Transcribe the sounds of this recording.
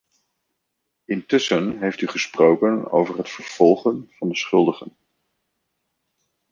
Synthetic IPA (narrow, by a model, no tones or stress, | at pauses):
ɪntʏsənɦejftyχəsprowkəno̰wvərɦətfəɹv̥ɔlˠχənv̥ɑndəsχʏlˠdəχən